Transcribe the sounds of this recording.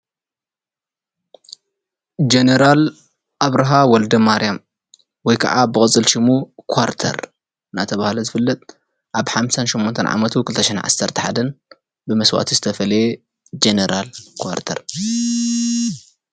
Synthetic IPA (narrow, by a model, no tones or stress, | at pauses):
d͡ʒeneɾal | ʔaβɾaɦawɔld̪ɐmaɾijam | wɔjkʰɐʕabɨkʼɨt͡sʼːɨlʃɪmukʰwaɾt̪ʰɐ̰ɾ | ɨnat̪ʰɐβahlozɨfɨlːɐt̪ʼ | ʔaβħamsanʃɔmːont̪ʰɐnʕa̰mɐt̪ʰukɨlɨt̪ʰɐʃɛnʕa̰sːɐɾt̪ʰɐ̥ħa̰d̪ɐn | bɨmɐswa̰t̪ʰizɨt̪ʰɐfɐlɐje | d͡ʒeneɾalkʰwa̰ɾt̪ʰɐ̰ɾ